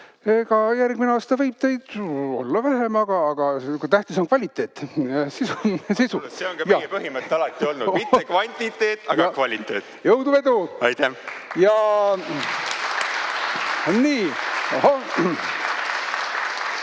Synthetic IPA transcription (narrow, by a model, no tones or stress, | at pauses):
eɡ̥ɑjærɡ̥mineɑːst̪ɑvɤjb̥̚t̪e̞jd̪̥o̞̰lːɑvæɦe̞mɑɡ̥ɑːɡ̥ɑkut̪æht̪iso̞nkvɑlʲit̪ːˑe̞ːt̪ːsisusisuseoŋkɑjɑepɯhimət̪ːɑlɑt̪ːˑio̞lnudmitekvɑnʲt̪it̪ːe̞ːt̪ːˑɑɡɑkvɑlʲit̪ːeːt̪ːˑjɤwd̪uve̞d̪uɑjt̪æjɑ | onːiːohɑ